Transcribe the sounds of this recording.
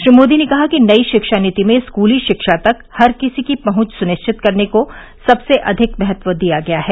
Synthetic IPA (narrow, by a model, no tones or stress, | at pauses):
ʃɾimoːd̪inekɐɦakinɐiʃɪkʃanɪt̪imẽskuːliʃɪkʃat̪ɐkhɐɾkɪsikipɐɦʊ̃t͡ʃsʊnɪʃt͡ʃʰɪt̪kɐɾneko | sɐbseʔɐd̪ʱɪkbɛɦɛt̪ʋəd̪ijaɡɐjaɦɛː